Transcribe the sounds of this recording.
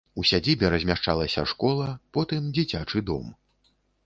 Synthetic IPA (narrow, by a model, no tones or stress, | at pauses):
usʲad͡zʲibʲɛɾɐzʲmʲaʂt͡ʂalˠɐsʲɐ̰ʂkɔlˠɐpɔt̪ɨmd͡zʲit͡sʲat͡ʂɨd̪ɔ̰m